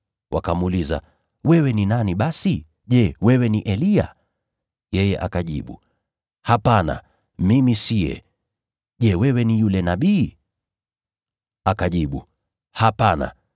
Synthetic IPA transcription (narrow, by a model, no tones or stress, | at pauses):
wʔa̰kamuːliza̰ | wɛwɛninaniɓasi | ʄɛwɛwɛniʔɛlia̰ | jɛjɛʔakaʄḭɓu | hapana̰ | mimisiɛ̰ | ʄɛwɛwɛnijulɛnaɓiː | akaʄiɓu | hapana̰